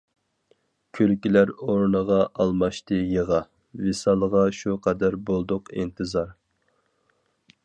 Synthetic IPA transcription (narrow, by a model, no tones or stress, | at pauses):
kʲʰølkʲilæɾoɾnəʁɑʔɑlˠmɑʃt̪ɨjəʁɑ | vesɑlˠəʁɑʃuqʰɑd̪æɾbolˠd̪ʊqḭnt̪ʰɨzɑɾ